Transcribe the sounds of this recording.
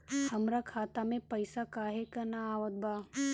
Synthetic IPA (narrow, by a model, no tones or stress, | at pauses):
hɐmɾakʰaːt̪amẽpɐɪsakaːɦekɐnaaːʋəd̪̚bʱaː